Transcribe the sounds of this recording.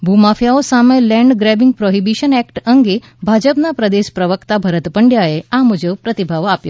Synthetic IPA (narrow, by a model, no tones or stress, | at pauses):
bʱumafjaosamẽlɛ̃ɳɖɡɾɛbiŋɡ̚pɾoɦibiʃənɛkʈəŋɡe | bʱad͡ʒəpnapɾəd̪eʃpɾəʋəkt̪abʱəɾət̪pəɳɖjaeamud͡ʒəʋpɾət̪ibʱaʋapjo